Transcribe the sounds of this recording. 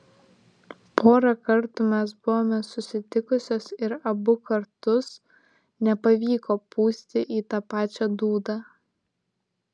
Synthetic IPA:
poːɾɐkɐɾt̪umʲɛs̬bʊʋoːmʲɛsʊsʲɪt̪ʲɪkʊsʲoːsɪɾɐbʊkɐɾt̪ʊs | nʲɛpɐʋʲiːkoːpuːsʲt̪ʲɪʔiːt̪ɑːpɑːt͡ʃʲɛd̪uːd̪ɑː

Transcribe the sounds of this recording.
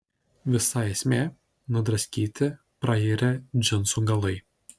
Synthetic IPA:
ʋʲɪsɑeːsʲmʲeː | nʊd̪ɾɐsʲkʲiːt̪ʲɪ | pɾɐiːɾʲɛd͡ʒʲɪnsuɡɐlˠɐɪ

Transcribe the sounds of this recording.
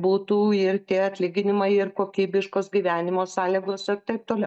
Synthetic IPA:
buːt̪uːɪrt̪ʲiːɐt̪ʲlʲɪɡʲɪnʲɪmɐɪɪrkoːkʲiːbʲɪʃkoːsɡʲiːʋʲæːnʲɪmoːsɑːlʲiɡoːsɪrt̪ɐɪp̚t̪oːlʲɛʊ

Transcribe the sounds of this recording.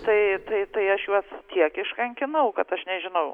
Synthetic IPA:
t̪ɐɪt̪ɐɪt̪ɐɪɐʃjuɔst̪ʲiɛkɪʃkɐŋʲkʲɪnɐʊkɐt̪ɐʃnʲɛʒʲɪnɐʊ

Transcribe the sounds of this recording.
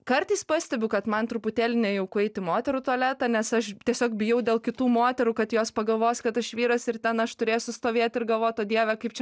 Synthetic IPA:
kɐrt̪ɐɪspɑːsʲt̪ʲɛbʲʊkɐt̪mɐnt̪ɾʊpʊt̪ʲeːlʲɪnʲɛjɛʊkʊɛɪt̪ʲɪmoːt̪ʲɛɾut̪uɔlʲæːt̪ɑnʲɛsɐʃt̪ʲiɛsʲoːkbʲɪjɛʊd̪ʲeːlˠkʲɪt̪uːmoːt̪ʲɛɾuːkɐt̪joːspɐɡɐlˠʋoːsʲkɐt̪ɐʃʋʲiːɾɐsɪrt̪ʲɛnɐʃt̪ʊɾʲeːjsʊst̪oːʋʲeːt̪ʲɪrɡɐlˠʋoːt̪oːd̪ʲiɛʋʲɛkɐɪpt͡ʃʲɛ

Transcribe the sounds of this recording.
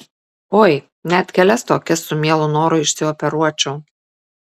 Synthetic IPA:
oːj | nʲæt̪ʲkʲɛlʲɛst̪oːkʲɛsːʊmʲiɛlˠʊnoːɾʊɪʃsʲɪɔpʲɛɾuɔt͡ʃʲuʊ

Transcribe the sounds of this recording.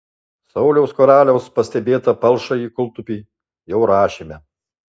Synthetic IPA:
sɐʊlʲɛʊskɔɾɑːlʲɛʊspɐsʲt̪ʲɛbʲeːt̪ɐpɐlˠˑʃɐiːkʊlˠˑt̪ʊpʲiː | jɛʊɾɑːʃʲimʲɛ

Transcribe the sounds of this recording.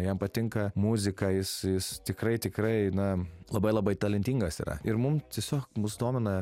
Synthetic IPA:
jɛmpɐt̪ʲɪŋkɐmuzʲɪkɐjɪsjɪst̪ʲɪkɾɐɪt̪ʲɪkɾɐɪnɐlˠɐbɐɪlˠɐbɐɪt̪ɐlʲɪnʲt̪ʲiːŋɡɐsḭːɾɐ̰ɪɾmʊmt̪ʲiɛsʲoːkmʊsd̪oːmʲɛnɐ

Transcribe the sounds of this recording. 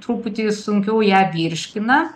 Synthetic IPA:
t̪ɾuːpʊt̪ʲɪsʊŋʲkʲɛʊjæːʋʲiːɾʲʃʲkʲɪnɐ

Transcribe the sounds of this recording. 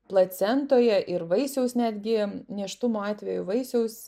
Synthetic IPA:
plˠɐt̪sʲɛnt̪oːjɛʔɪɾʋɐɪsʲɛʊsnʲæːd̪ʲɡʲɪnʲiɛʃt̪ʊmoːɑːt̪ʲʋʲɛjʊʋɐɪsʲɛʊs

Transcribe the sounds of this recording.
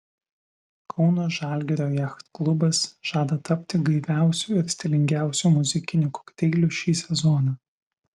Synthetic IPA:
kʰɒʊnoːʒɑːlʲɡʲɛɾʲoːjæxt̪klˠʊbɐsʒ̥ɑːd̪ɐt̪ɐpʲt̪ʲɪɡɐɪʋʲæˑʊsʲuˑɪɾsʲt̪ʲɛlʲɪŋʲɡʲæˑʊsʲumʊzʲɪkʲɪnʲuko̥kʲt̪ʲɛɪlʲuːˑʃʲiːsʲɛzɔːnɑ

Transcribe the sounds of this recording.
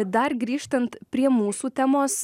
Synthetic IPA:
d̪ɐɾɡɾʲiːʃt̪ɐnt̪pʲɾʲiɛmuːsuːt̪ʲæmoːs

